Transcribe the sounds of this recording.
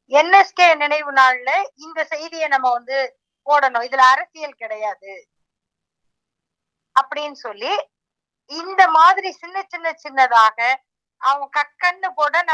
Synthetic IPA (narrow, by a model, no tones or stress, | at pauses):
ɛnːɛskeːnɪnɐɪʋɯnaːɭlɐɪnd̪ɐsɛjðɪjɐnɐmːɐʋɐnd̪ɯ | poːɽɐɳõːɪðɪlɐːɾɐsɪjɐlkɪɽɐjaːðɯ | ɐpːɐɽɪnːɯsɔlːi | ɪnd̪ɐmaːðɪɾisɪnːɐt͡ʃːɪnːɐt͡ʃːɪnːɐðaːɣɐ | ɐʋɐ̃kɐkːɐnːɯpoːɽɐnɐ